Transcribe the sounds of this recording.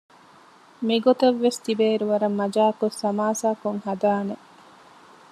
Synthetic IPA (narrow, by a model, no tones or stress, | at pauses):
miɡot̪ɐʋːest̪ibeːɾuʋɐɾɐmːɐd͡ʒaːkosːɐmaːsaːkoŋhɐd̪aːne